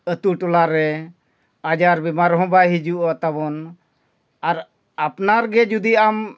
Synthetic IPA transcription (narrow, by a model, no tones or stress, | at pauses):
ət̪uʈɔlaɾɛ | ad͡ʒaɾbimaɾɦɔ̃bajɦid͡ʒuʔat̪abɔn | aɾ | apnaɾɡɛd͡ʒud̪iam